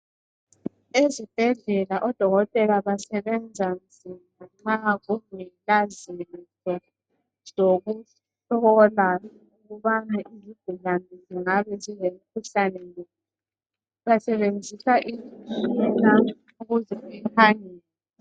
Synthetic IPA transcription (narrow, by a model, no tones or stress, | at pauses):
ezib̥ʱɛɮɛlaʔɔd̥ʱɔɣɔtʼɛlaβasɛβɛnd͡zʱan̩d͡zʱimaŋ͡ǁaɣumilazintɔ | z̥oɣu | ɬɔla | uɣuβanaʔizib̥̚ʱulanʱiziŋaβɛzilemikʰuɬanɛli | βasɛβend͡zʱisaʔiziuɛna | uɣuzɛɛhaŋiːlɛ